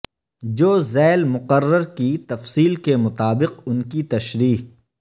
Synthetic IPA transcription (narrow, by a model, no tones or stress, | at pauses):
d͡ʒoːzɛːlmʊqərːəɾkit̪ɐfsiːlkemʊt̪aːbɪqʊnkit̪ɐʃɾiːɦ